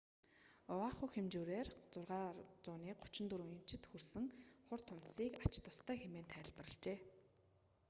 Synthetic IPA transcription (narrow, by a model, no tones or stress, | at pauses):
ʊwaːχʊxemt͡ɕuːɾeːrt͡sʊrʁaːt͡sʊːniːk̚ʊt͡ɕɪ̆nt̪uɾuj̆nt͡ɕʰɪ̆t̪xursɘ̆ŋχʊrt̪ʰʊm̥t̪siːkat͡ɕt̪ʊst̪ʰæːxemeːnt̪ʰæːɮpə̆rə̆ɮt͡ɕeː